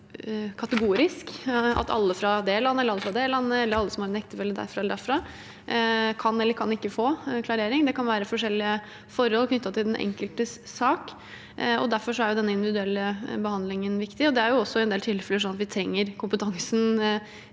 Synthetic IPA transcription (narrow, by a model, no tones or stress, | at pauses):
kʰɑt̪əɡuːɾɪskɑ̰t̪ʰɑ̰lːəfɾɑd̪eːlɑnːəɛlːəɑlːəfɾɑd̪eːlɑnːəɛlːəɾɑlːəsɔmhɑɾɛnɛkt̪əfɛlːəɖ̪æ̰ɾfɾɑɛləɖ̪æɾfɾɑ | kʰɑnɛlːəɾkʰɑnɪkːəfoːkʰlɑɾeːɾɪŋd̪ɛkɑnʋæːɾəfɔʂɛlːɪə | fɔɾhɔlkʰnʏt̪ːɑt̪ʰɪld̪ɛnʔɛ̰ŋkəlt̪əsːɑːk | ɔ̰d̪æɾfɔʂɔæɾjʊd̪ɛnːəɪnd̪ɪʋɪd̪ʉɛlːəbəhɑnd̪lɪŋənʋɪkt̪ɪɔd̪ɛæɾjʊɔsːɔɛnd̪eːlt̪ʰɪlːfɛləʂɔnːɑt̪ʋɪt̪ʰɾɛŋːəɾkʊmpət̪ʰɑŋsn̩